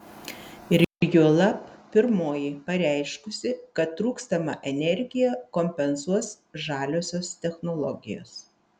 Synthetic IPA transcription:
ɪɾjʊlˠɐppʲɪɾmoːjipɐɾʲæˑɪʃkʊsʲɪkɐt̪ːɾuːkst̪ɐmɐ̰ʔɛnʲɛɾʲɡʲɪjɛkɔmʲpʲɛnsuɔs | ʒɑːlʲoːsʲoːst̪ʲɛxnɔlˠɔɡʲɪ̰jo̰ːs

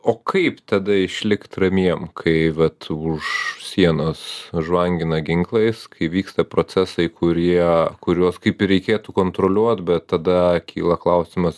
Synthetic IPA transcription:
oːkʰɐɪpt̪ɐd̪ɐɪʃʲlʲɪkt̪rɐmʲiɛmkʰɐɪʋɐt̪ʊʃsʲiɛnoːsʒʋɐŋʲɡʲɪnɐɡʲɪŋklˠɐɪskɐɪʋʲiːkst̪ɐpɾoːt͡s̪ʲæsɐɪkʰʊɾʲiɛkʊɾʲoːskɐɪpɪɾʲɛɪkʲeːt̪ukoːnt̪ɾolʲuɔt̪bʲɛt̪ːɐd̪ɐkʲiːlˠɐklˠɐʊsʲɪmɐs

